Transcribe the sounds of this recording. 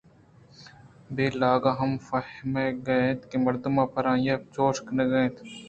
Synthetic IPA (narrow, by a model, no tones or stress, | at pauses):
beːlaːɡaɦɐmfɐhmeɡɐẽːt̪kemɐɾd̪ʊmãːpɐɾãːjat͡ʃoːʃkneɡɐẽːt̪ʰ